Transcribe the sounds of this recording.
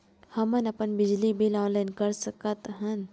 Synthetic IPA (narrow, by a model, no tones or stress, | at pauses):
hɐmənɐpənbɪd͡ʒlibilɔ̃ːnlaɪnkəɾsəkət̪ɦən